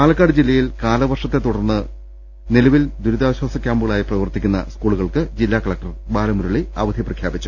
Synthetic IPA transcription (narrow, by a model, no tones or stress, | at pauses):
kaːlɐkːaːɽɨd͡ʑilːɐjilkaːlɐʋɐrʂɐt̪ːe̞t̪ːuɽɐrnːɨ | nilɐʋild̪uɾud̪aːʋɕwaːsɐkʲːaːmbuɣɐɭaːjiprɐʋɐrt̪ikʲːunːɐ̰skuːɭuɣɐɭkɨd͡ʑilːaːkɐɭɐk̚ʈɐrbaːlɐmuɾuɭiɐ̰ʋɐd̪ʱjiprɐkʰjaːbit͡ɕːu